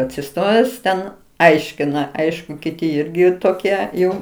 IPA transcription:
ɐtʲsʲɪˈstoːjæːs tʲɛn ˈɐɪʃʲkʲɪnɐ ˈɐɪʃkʊ kʲɪˈtʲɪ ˈɪrʲɡʲɪ toːˈkʲiɛ ˈjɛʊ

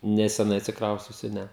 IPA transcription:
nʲɛsʲɛˈnɐɪ ɐtʲsʲɪkˈrɐʊsʲt͡sʲʊsʲʊ ˈnʲɛ

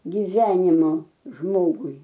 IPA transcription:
ɡʲɪˈʋʲæːnʲɪmoː ˈʒmoːɡʊɪ

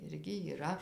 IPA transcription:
ˈɪrʲɡʲɪ iːˈrɐ

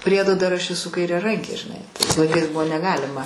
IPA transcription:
ˈpʲrʲiɛdoː dɐr ˈɐʃ ɛˈsʊ kɐɪrʲɛˈrɐŋʲkʲeː ʒʲɪˈnɐɪ tɐɪs lˠɐɪˈkɐɪs ˈbʊʋoː nʲɛˈɡɑːlʲɪmɐ

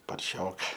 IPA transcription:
pɐrʲˈʃʲoːkɐ

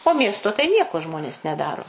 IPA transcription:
oː ˈmʲiɛstoː tɐɪ ˈnʲiɛkoː ˈʒmoːnʲeːs nʲɛˈdɑːroː

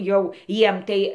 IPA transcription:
ˈjɛʊ ˈjiɛm tɐɪ

